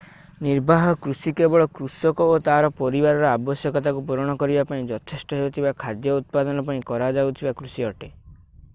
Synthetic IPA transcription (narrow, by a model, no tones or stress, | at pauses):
niɾbʱaɦɔkɾusikebɔɭɔkɾusɔkɔot̪aɦaɾɔpɔɾibaɾɔɾɔabɔsjɔkɔt̪akupuɾɔɽ̃ɔkɔɾibapaĩd͡ʒɔt̪ʰesʈɔɦeut̪ʰibakʰad̪jɔut̪̚pad̪ɔnɔpaĩkɔɾad͡ʒaut̪ʰibakɾusiɔʈe